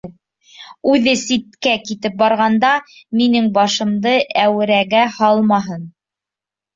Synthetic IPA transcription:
ʉðɘsit̪kækit̪ɘp̚bɑɾʁɑnd̪ɑminɘŋbɑʃɤ̆md̪ɤʔæwɘ̆ɾæɡæhɑlˠmɑɦɤn

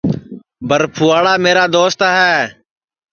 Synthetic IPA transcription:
bʱəɾpʰuːaːɽaːmeːɾaːd̪oːst̪aɦɛː

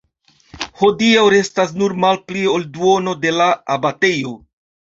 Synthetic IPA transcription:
ho̞diawɾe̞stas̬nuɾmalpliolduo̞no̞de̞laabate̞jo̞

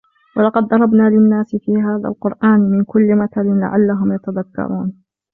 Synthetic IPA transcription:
wɑlɑqɑd̪ˤːɑɾˤɑbnaːlɪnːaːsɪfiːɦaːða̰lqʊɾʔaːnmɪnkʊlːɪmat̪alɪnla̰ʕa̰lːaɦʊmjat̪aðakːɑ̰ɾˤʔuːn

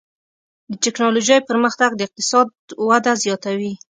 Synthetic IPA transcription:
d̪ətɪknɑloʒajpəɾməxt̪aɡd̪əɪq̚t̪ɪ̥sɑd̪wad̪azjɑt̪awi

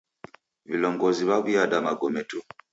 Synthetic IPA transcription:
βiloːŋɡoziβaβujadamaɡometu

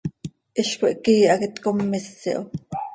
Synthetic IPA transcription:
ʔɪɬkoʔkiːʔɑkɪt̪komːɪsːḭʔo

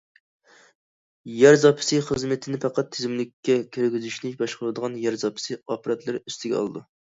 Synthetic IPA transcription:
jæɾzɑpʰɪ̥sɨχəzmɨt̪ʰɪnɪpɑqɑt̪ʰːɪzɪmlɪkʲːɛkʲʰøɾɡʲyzyʃnɪbɑʃqəɾɨd̪əʁɑnjæɾzɑpʰɪ̥sɨɑpɑɾɑt̪lˠɨɾyst̪ʰɪɡʲɛ̰ɑ̰lˠɨd̪u

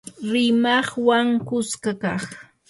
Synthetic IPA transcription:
ɾɪmɑχwaŋkʊskakɑχ

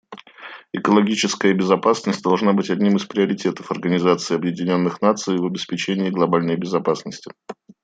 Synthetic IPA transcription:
ɪkəlˠɐɡʲit͡ɕɪskəjəbʲɪzɐpasnəsʲt̚ʲd̪ɐlˠʐnabɨtʲɐdʲnʲimɨspɾʲɪəɾʲɪtʲe̞t̪əfɐrɡənʲɪzat̪sɨɪɐbjɪdʲɪnʲo̞nːɨxnat̪sɨjvɐbʲɪspʲɪt͡ɕenʲɪːɡlˠɐbalʲnəjbʲɪzɐpasnəsʲtʲɪ

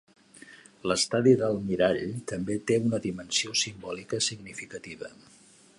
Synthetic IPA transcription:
ləst̪aðiðəlˠmiɾaʎt̪əmbet̪eunəðimənsiosimbɔlikəsiɡnifikət̪iβ̞ə̰

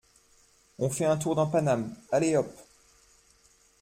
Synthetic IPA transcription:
ɔ̃fɛɛ̃t̪uʁd̪ɑ̃panamaleɔp

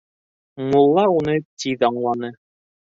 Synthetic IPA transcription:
mulˠːɑunɤt̪ʲiðɑɴlˠɑnɤ

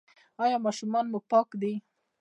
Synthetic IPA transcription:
ɑjɑmɑʃumɑnmuɡ̚pɑkd̪i

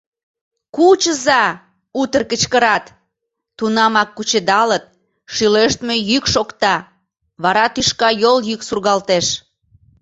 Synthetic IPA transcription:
kut͡ɕəzɑ | ut̪ərkət͡ɕkəɾɑt̪ː | unɑmɑkːut͡ɕed̪ɑlət̪̚ | ʃyleʃt̪me̽jykʃokt̪ɑ | βɑɾɑt̪yʃkɑjoljyksurɣɑlt̪eʃ

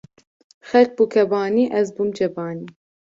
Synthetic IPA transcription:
xɛlk̚bukʰɛbɑːniːʔɛzbumd͡ʒɛbɑːniː

